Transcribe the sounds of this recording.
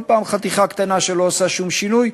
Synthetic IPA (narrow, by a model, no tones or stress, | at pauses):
pɑmχət̪iχɑkʰt̪ɛnɑʃɛlɔsɑʃumʃinuj